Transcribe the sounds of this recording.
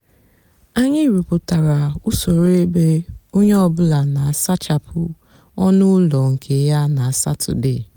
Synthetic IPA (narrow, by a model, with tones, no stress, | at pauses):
a˦ɲɪ˦ɾu˨pʊ˨ta˨ɾa˨ʊ˦so˨ɾe˦be˦o˦ɲe˦ɔ˦bʊ˦la˨na˨a˨sa˦t͡ʃa˨pʊ˦ | ɔ˦nʊ˦lɔ˨ŋ̩˨kʰe˨ja˦na˨a˨sa̰˦tʊ̰˨dɪ̰˦˨